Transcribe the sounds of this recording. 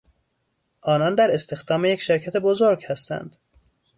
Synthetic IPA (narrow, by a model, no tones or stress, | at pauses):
ʔɒːnɒnd̪æɾe̞st̪e̞xd̪ɒːmejecʃeɾcʰæt̪ʰe̞bozoɾɡhæst̪æ̰nd̪̥